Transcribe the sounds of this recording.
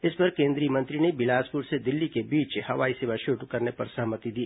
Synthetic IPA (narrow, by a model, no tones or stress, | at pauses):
ɪspɐɾkẽːnd̪ɾijəmɐ̃nt̪ɾinebɪlaːspʊɾsed̪ɪlːikebiːt͡ʃhɐʋaːiseːʋaʃuːʈkɐɾnepɐɾsɐɦmət̪id̪iː